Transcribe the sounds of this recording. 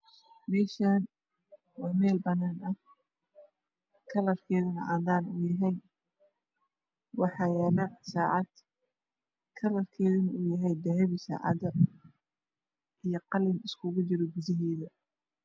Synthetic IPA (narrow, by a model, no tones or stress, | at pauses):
mɛːʃaːn | wɑːmɛːlbɐnːaːnɐh | kʰɐlɐrkʰɛːðʊnɐʔaːd̪aːnʊjɐɦɛj | wɑħɑːjɛːlɐsaːʕɑd̪̥ | kʰɐlɐrkʰɛːðʊnɐuːjɐɦɛjd̪ɛɦɛβɪsa̰ːʕɑ̰d̪ɐ | ʔijɞqɑlɪnɪskʰʊɣʊt͡ʃɪɾɔɡʊðɪɦɛːðɐ